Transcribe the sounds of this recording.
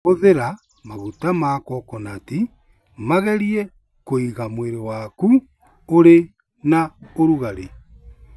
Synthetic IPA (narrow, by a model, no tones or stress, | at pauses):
oðeɾa | maɣutamaːkɔkɔnati | maɣɛɾiɛ | koiɣamweɾewaku | oɾe | naoɾuɣaɾe